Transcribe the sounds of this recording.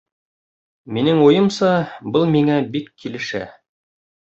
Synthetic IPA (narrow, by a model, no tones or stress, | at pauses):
minɘŋujɤ̆msɑbɤlˠmiŋæbikːilɘ̆ʃæ̰